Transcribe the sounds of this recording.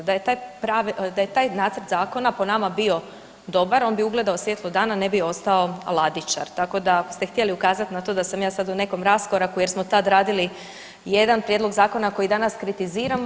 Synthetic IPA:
d̪ajet̪aːjpɾaʋd̪aje̞t̪aːjnaːt̪sɾt̪zaːko̞napo̞namabio̞ | d̪o̞baɾo̞nbiuɡle̞d̪aosje̞t̪lˠod̪aːnane̞bio̞st̪ao̞a̰lˠad̪it͡ʃa̰ɾt̪ako̞d̪akost̪e̞xt̪jeliukaːzat̪nat̪o̞ːd̪asamjaːsad̪une̞ko̞mɾasko̞ɾakuje̞ɾsmo̞t̪ad̪ɾaːd̪ili | je̞d̪anpɾjed̪lo̞ɡzaːko̞nako̞jid̪anaskɾit̪iziːɾam

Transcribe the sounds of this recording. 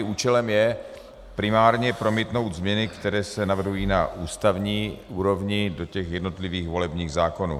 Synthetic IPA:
uːt͡ʃɛlɛmjɛ | pɾɪmaːɾɲɛpɾo̞mit̪no̞wt̪zmɲɛnɪkt̪ɛɾɛːsɛnavr̩ɦujiːnaʔuːst̪avɲiːʔuːɾo̞vɲɪdo̞cɛxjɛdno̞t̪lɪviːxvo̞lɛbɲiːɣzaːkonṵː

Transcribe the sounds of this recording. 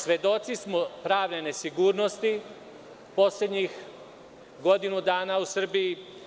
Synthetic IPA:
sʋe̞d̪o̞t̪sismopɾaːʋnene̞siɡuːɾno̞st̪i | po̞slʲed̪ɲix | ɡo̞d̪inud̪aːnausr̩biji

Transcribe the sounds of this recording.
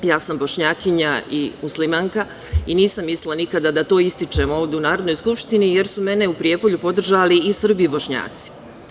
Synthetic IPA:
jaːsambo̞ʃɲaːkiɲaimuslimaːŋka | iniːsamːislˠanikad̪ad̪at̪o̞ːist̪it͡ʃe̞mo̞ːʋd̪eunaːɾod̪no̞jskupʃt̪inije̞ɾsume̞ne̞upɾije̞po̞ʎupo̞d̪r̩ʒaliːsr̩bibo̞ʃɲa̰ːt̪si̥

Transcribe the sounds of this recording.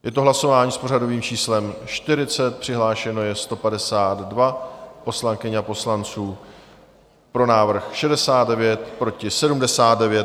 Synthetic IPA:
jʔɛt̪oɦlaso̞vaːɲiːspo̞r̝ado̞viːmt͡ʃiːslɛmʃt̪ɪɾɪt͡sɛt̪̚pr̝̥ɪɦlaːʃɛno̞jɛst̪o̞padɛsaːd̪dvapo̞slaŋkɪɲapo̞slant͡suː | pɾo̞naːvr̩xʃɛdɛsaːt̪dɛvjɛt̪pɾo̞cɪsɛdumdɛsaːd̪̚dɛvjɛ

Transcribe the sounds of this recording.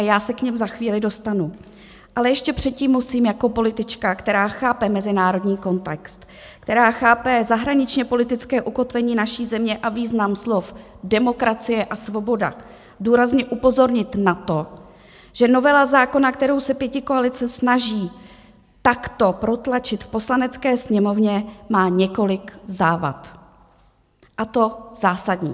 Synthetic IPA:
jaːsɛkɲɛmzaxviːlɪdo̞st̪anu | ʔalɛjɛʃcɛpr̝̥ɛt̪̚ciːmːusiːmjako̞po̞lɪt̪ɪt͡ʃkakt̪ɛɾaːxaːpɛmɛzɪnaːɾo̞dɲiːko̞nt̪ɛkst̪ | kt̪ɛɾaːxaːpɛzaɦɾaɲɪt͡ʃɲɛpo̞lɪt̪ɪt͡skɛːʔuko̞t̪vɛɲiːnaʃiːzɛmɲɛʔaviːznamslof | dɛmo̞kɾat͡sɪjɛʔasvo̞bo̞da̰ | duːɾazɲɛʔupo̞zoɾɲɪt̪nat̪o̞ | ʒ̥ɛno̞vɛlazaːko̞nakt̪ɛɾo̞wsɛpjɛcɪkoalɪt͡sɛsnaʒiː | t̪akt̪o̞pɾo̞t̪lat͡ʃɪt̪fpo̞slanɛt͡skɛːsɲɛmo̞vɲɛmaːɲɛko̞lɪkzaːva̰t̪ | ʔat̪o̞z̥aːsadɲḭː

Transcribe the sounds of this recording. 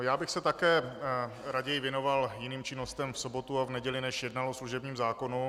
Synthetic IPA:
jaːbɪxsɛt̪akɛː | ɾaɟɛjɪvjɛno̞valjɪniːmt͡ʃɪno̞st̪ɛmfsobo̞t̪uavnɛɟɛlɪnɛʃjɛdnalosluʒɛbɲiːmzaːkonu

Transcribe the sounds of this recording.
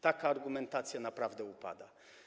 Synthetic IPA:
t̪akaːɾɡumɛnt̪at̪sʲjanapɾavd̪ɛupa̰d̪a

